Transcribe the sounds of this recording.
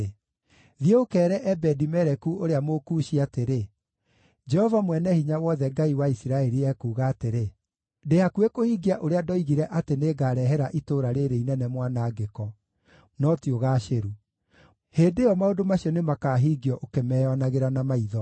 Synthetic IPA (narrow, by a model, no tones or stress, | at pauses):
ðjeokɛːɾɛʔɛbɛdimɛɾɛkuoɾeamokuːʃiateɾe | d͡ʒɛhɔvamwɛnɛhiɲawɔðɛɡaiwaisiɾaɛɾiɛkuːɣaːteɾe | deakuekohiɡiaʔoɾeadɔiɣiɾɛʔateneːɡaːɾɛɦɛɾaʔitoːɾaɾeɾeinɛnɛmwanaːɡekɔ | nɔtioɣaːʃeɾu | heːndeɔmaodomaɕiɔnemakaːɦiːɡiɔʔokemɛɔnaɣeɾanamaiðɔ